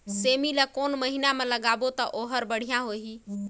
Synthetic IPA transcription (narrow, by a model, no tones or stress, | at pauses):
semilakonməɦinamẽləɡabot̪ɔʔoɦəɾbəɽ̤ijãɦoɦi